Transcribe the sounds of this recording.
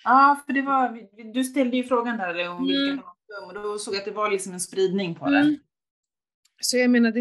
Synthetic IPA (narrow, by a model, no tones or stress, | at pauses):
ɑːfœɖɛvavɪd̪ɵst̪ɛld̪əjɵfɾoːɡand̪æːɾɾɛɔmvɪkːamɔ̥ɵŋːɔd̪ɔsoːɡjat̪̚d̪ɛvaɾlɪksɔmɛnspɾiːd̪nɪŋpʰɔd̪ɛ | sɔjameːnad̪ɛ